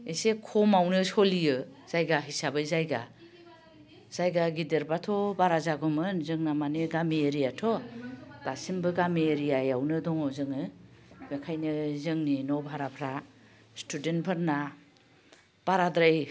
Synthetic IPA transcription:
esekʰɔmawnɯsɔlijɯz̥ajɡaɦisabɯzajɡa̰ | z̥ajɡaɡideɾbatʰɔbaɾazaɡɔmɯnzɯŋnamaniɡamieɾijatʰɔtasimbɯɡamieɾijajawnɯdɔŋɔzɯŋɯbekʰajnɯzɯŋninɔbʱaɾapʰɾa | stʰudentpʰɯɾna | b̥aɾadɾaj

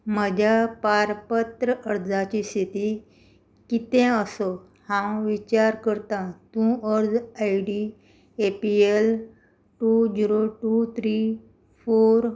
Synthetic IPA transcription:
m̤əd͡ʑʱapaɾpət̪ɾəʔəɾd͡zat͡ɕist̪ʰit̪i | kit̪ẽəsɔ | hãwʋit͡ɕaɾkəɾt̪ãt̪ũəɾd͡zajɖi | epiel | ʈud͡ʑiɾoʈut̪ʰɾi | foɾ

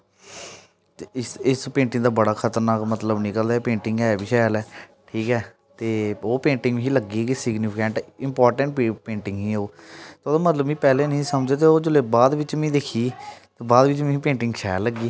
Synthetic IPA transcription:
t̪eɪsɪspẽːɳʈɪ̃ŋd̪aːbəɽaːkʰət̪əɾnaːkmət̪ləbnɪkəld̪aːpẽːɳʈɪ̃ŋɡɛːbiːʃaːjəlɛːʈʰiːkɛː | t̪eːoːpẽːɳʈɪ̃ŋɡʋĩːiːləɡiːkisɪɡnɪpʰɪkɛ̃ːɳʈɪmpɔːɾʈə̃ɳʈpẽːɳʈɪ̃ŋɡɦĩːoːt̪oːd̪aːmət̪ləbʋĩːpɛːleːnĩːsəmd͡ʒeːt̪̬eːoːd͡ʒʊleːbaːd̪ʋɪt͡ʃmɛ̃ːd̪eːkʰiːt̪ebaːd̪ʋɪt͡ʃmɛ̃pẽːɳʈɪ̃ŋɡʃa̰ːlːəɡiː

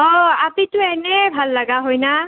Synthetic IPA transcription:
ɔapitʊɛnɛbʱalːaɡaɦojna

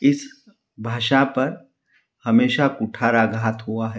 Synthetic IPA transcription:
ɪs | bʱaːʃapɐɾ | hɐmeːʃakuʈʰaɾaɡʱaːt̪ɦuaɦɛ

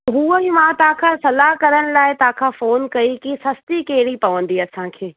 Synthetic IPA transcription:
ɦuːəɦimãːt̪ɐɦãkʰãːsɐlaɦkɐɾəɽ̃ɪ̆laːɪt̪ɐãkʰãːfoːnkɐikisɐst̪ikeɦɽipɐʋə̃nd̪iɐsãːkʰeː

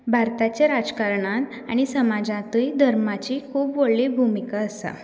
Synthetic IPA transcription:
bʱaɾt̪at͡ɕaɾad͡zkaɾɳãt̪ | a̰ɽ̃isəmad͡zãt̪ujd̪ʱəɾmat͡ɕikʰuːpʋoɭlibʱumikaəsa̰

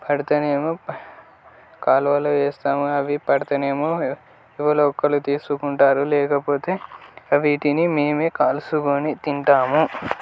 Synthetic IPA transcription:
pɐɽɐt̪ɐneːmu | kaːlʋɐloːeːst̪aːmuɐʋipɐɽɐt̪ɐneːmo | iʋɐloːkːɐlut̪iːsukuɳʈaːɾulɛːkɐpo̞ːt̪e̞ːɐʋiːʈinimeːmeːkaːlsukoːnit̪iɳt̪aːmu

